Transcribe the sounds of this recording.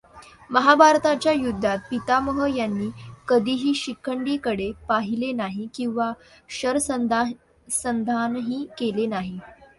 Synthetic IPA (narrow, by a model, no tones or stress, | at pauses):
məɦabʱaɾt̪at͡ɕjajud̪ʱːat̪̚pit̪aməɦəjanːiːkəd̪ʱiːɦiːɕikʰːəɳɖiːkəɽepaɦilenaɦikĩw̃ʋa | ɕəɾsəd̪ | sənd̪ʱanɦiːkelenaɦi